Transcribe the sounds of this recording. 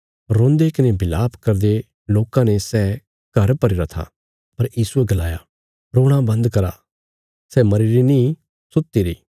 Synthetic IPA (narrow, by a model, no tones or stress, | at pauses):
ɾõːnd̪ekɪnebɪlaːpkɐɾd̪e | loːkãnesɛː | ɡ̥ʱɐɾpɐɾiɾɐt̪ʰa̰ | pɐɾjiːsueɡɐlaːja | ɾoːɽ̃ãbɐ̃nd̪kɐɾa̰ | sɛmɐɾeɾinĩ | sʊt̪ːiɾḭː